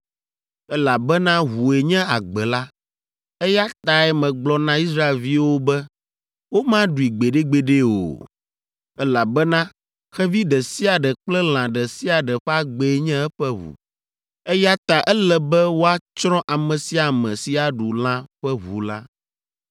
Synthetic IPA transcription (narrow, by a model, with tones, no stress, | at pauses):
ɛ˦la˨bɛ˦nã˦ɦu˨e˨ɲɛ̃˦a˨ɡ͡bɛ˨la˦ | ɛ˦ja˦t̪a˨ɛ˨mɛ̃˨ɡ͡blɔ˦nã˦i˦sɾa˦e˨lvi˦wo˦bɛ˦ | wo˦mã˦ɖu˨i˨ɡ͡be˨ɖe˦ɡ͡be˨ɖe˦o̰˨ | ɛ˦la˨bɛ˦nã˦ | xɛ˦vi˦ɖɛ˨si˦a˨ɖɛ˨k͡plɛ˦l̃ã˨ɖɛ˨si˦a˨ɖɛ˨ɸɛ˦a˦ɡ͡bɛ˨˦ɲɛ̃˦ɛ˦ɸɛ˦βṵ˨ | ɛ˦ja˦t̪a˨ʔɛ˦lɛ˨bɛ˦wo˦a˦t͡ʃɾɔ̃˦ʔa˨mɛ̃˨si˦a˨mɛ̃˨si˨˦a˨ɖu˨l̃ã˦ɸɛ˦βṵ˨la˦